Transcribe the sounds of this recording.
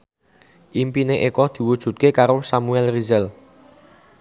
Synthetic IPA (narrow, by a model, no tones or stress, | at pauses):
ʔimpineʔekɔd̪̥i̤wud̥ʒ̥ṳt̪̚kekaɾosamuɛlrizəl